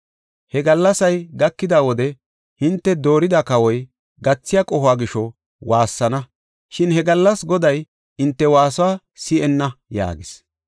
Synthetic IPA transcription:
hɛɡɐlːɐsɐjɡɐkːɪd̪awɔd̪ɛ | hɪnt̪ːɛd̪o̞ːɾɪd̪ɐkɐwɔj | ɡɐt͡sːɪjakʼɔhʊaːɡɪʃɔ | waːsːɐnɐ | ʃɪnhɛɡɐlːɐsɡɔd̪ɐj | ɪnt̪ːɛwaːsʊwaː | sɪʔɛnːɐja̰ːɡɪs

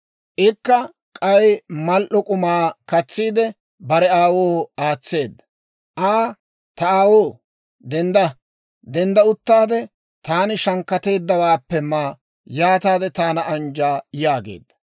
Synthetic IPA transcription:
ʔɪkːɐ | kʼɐjmɐlʔɔkʼʊmaːkɐt͡sːiːd̪ɛ | bɐɾɛaːwoːaːt͡sːe̞ːd̪ːɐ | ʔaː | t̪ɐaːwoː | d̪ɛnd̪ɐ | d̪ɛnd̪ɐʊt̪ːaːd̪ɛ | t̪aːnɪʃɐŋkːɐt̪e̞ːd̪ːɐwaːpːɛmaː | jaːt̪aːd̪ɛt̪aːnɐʔɐnd͡ʒaːjaːɡḛːd̪ːɐ

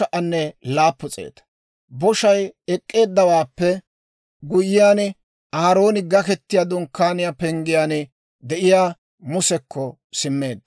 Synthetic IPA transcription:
ɐʔɐnːɛlaːpːʊt͡sʼḛːt̪ɐ̥ | bɔʃɐjɛkʼːe̞ːd̪ːɐwaːpːɛ | ɡʊjɪjaːn | ʔaːɾo̞ːnɪɡɐkɛt̪ːɪjaːd̪ʊŋkːaːnɪjaːpɛŋɡɪjaːn | d̪ɛʔɪjaː | mʊsɛkːɔ | sɪmːe̞ːd̪ːɐ

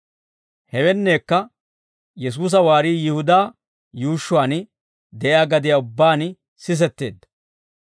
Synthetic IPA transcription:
hɛwɛnːe̞ːkːɐ | jɛs̬uːs̬ɐwaːɾiːjɪhʊd̪aː | juːʃːʊaːn | d̪ɛʔjaːɡɐd̪ɪjaːʊbːaːn | sɪs̬ɛt̪ːe̞ːd̪ːɐ̥

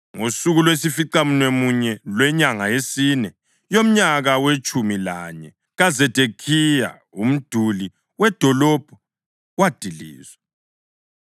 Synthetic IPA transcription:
ŋosuɣulwesifiǀamunemuɲɛlwɛɲaŋaesinɛ | jom̩ɲaɣawet͡ʃʼumila̰ɲɛ | ɣazɛd̥ʱekʰija̰ | um̩d̥ʱuli | wɛd̥ʱɔlɔb̥ʱɔ | wad̥ʱilḭːzwɛ

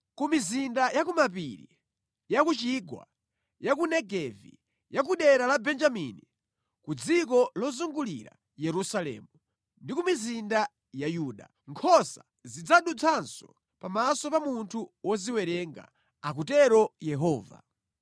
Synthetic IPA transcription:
kumizindajakumap̬iɾḭ | jakut͡ʃiɡwa̰ | jak̬unɛɡɛvḭ | jak̬uɗɛɾalabɛnd͡ʒamḭni | kud͡zikɔlɔzuŋɡulḭɾa̰ | jɛɾusalɛ̰ːmu | ndikumizinda | jajuːɗa̰ | ŋkʰɔsa | zid͡zaɗut͡sʰansɔ | pamasɔpamuntʰuwɔziwɛɾɛŋɡa̰ | ak̬utɛɾɔjɛɦɔːva̰

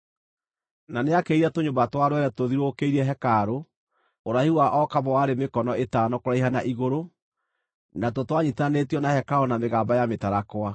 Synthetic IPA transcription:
naneakeiɾatoɲombatwaɾwɛɾɛtoðiɾokeiɾɛɦɛkaɾo | oɾahiwaʔɔkaβɔwaɾemekɔnɔetaːnɔkoɾaiɦanaʔiɣoɾo | natotwaɲitanetjɔnahɛkaɾonameɣaːbajametaɾakwa

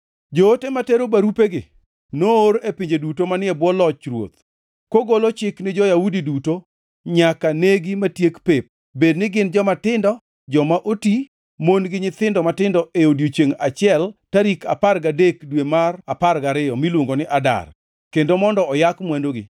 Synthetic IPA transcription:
d͡ʒootemateɾobaɾupeɡɪ | nooɾepiɲd͡ʒedutomanɪɛbwɔlɔt͡ʃɾwo̰t̪ | koɡolot͡ʃɪknɪd͡ʒɔjaudiduto | ɲakaneɡimatjekpep̚ | bednɪɡɪnd͡ʒɔmatɪndɔ | d͡ʒɔmaʔoti | monɡɪɲɪt̪ɪndɔmatɪndɔʔeodjot͡ʃeŋat͡ʃɪɛltaɾikaparɡadekdwemaraparɡaɾɪɔmilwoŋɡonɪʔada̰r | kendomɔndɔɔjakmwandoɡɪ̰

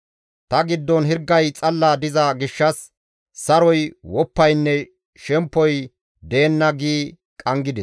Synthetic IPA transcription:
t̪ɐɡɪd̪ːɔnɦɪɾɡːɐjt͡sʼɐlːaːd̪ɪzɐɡɪʃːɐsː | ɐɾɔjwɔpːɐjnːɛ | ʃɛmpːɔj | d̪e̞ːnːɐɡiː | kʼɐŋɡɪd̪ɛs

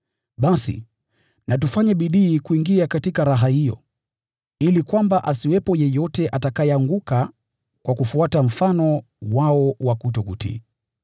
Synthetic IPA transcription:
ɓasḭ | natufaɲɛɓiɗiːkuiŋɡiakatikaɾaɦahijɔ̰ | ilikwambaʔasiwɛpɔjɛjɔtɛʔatakajɛaŋɡuka | kwakufuatam̩fanɔ | waɔwakut̬ɔkṵtḭ

